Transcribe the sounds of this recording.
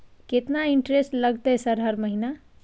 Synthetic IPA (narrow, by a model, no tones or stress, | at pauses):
ket̪naiɳʈɾesʈləɡt̪əsəɾɦəɾməɦina